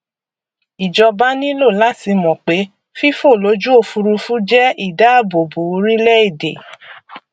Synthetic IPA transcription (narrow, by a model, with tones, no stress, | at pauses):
i˨d͡ʒɔ˧ba˦nĩ˦lo˦˨la˦ti˧mɔ̃˨k͡pe˨˦ | fi˦fo˦˨lo˨˦d͡ʒu˦o˧fu˧ɾu˧fũ˦d͡ʒɛ˦i˦˨da˨˦a˦˨bo˨bu˨˦ɾi˦lɛ˦i˦˨dḛ˨